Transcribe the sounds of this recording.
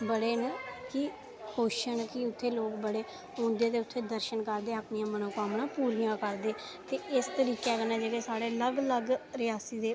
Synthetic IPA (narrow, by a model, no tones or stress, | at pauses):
bəɽeːnkɪ | kʰoːʃəɳkɪʊt̪ʰːeːloːkbəɽeː | ɦõːnd̪eːt̪eːʊt̪ʰːeːd̪əɾʃənkəɾd̪eːəpnijãːmənoːkaːmnãːpuːɾijãːkəɾd̪eː | t̪eːɪst̪əɾiːkɛːkənɛ̃ːd͡ʒeːkeːsaːɽeːləɡləɡɾɪjaːsiːd̪eː